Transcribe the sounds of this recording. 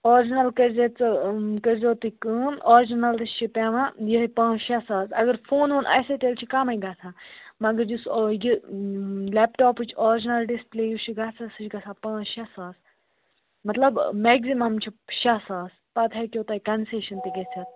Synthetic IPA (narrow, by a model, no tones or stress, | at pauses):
oːɾd͡ʒinɐlkɐɾʲzett͡sɨkɐɾzoːt̪ikɨːnɔːɾd͡ʒinɐlt̪ist͡ʃʰipeʋãjipãːʃɐsaːsɐ̰ɡɐɾfʰoːnʋunʔɐ̰sɐt̪elt͡ʃʰikɐmɐjɡaːt͡s̪ʰãːmɐɡɐɾd͡ʒisji | lɛpʈaːpɨt͡ʃʰɔːɾd͡ʒinɐlɖispleːjuʃʰiɡat͡sʰɐsɨt͡ʃʰɡɐsaːpɐ̃ːʃɐsaːs | mɐt̪lɐbmɛɡzimɐmt͡ʃʰiʃɐsaːs | pɐt̪ʰɐkʲjoːt̪ɐːkɐnseːʃɐnt̪iɡɐt͡sʰʲɐt̪̚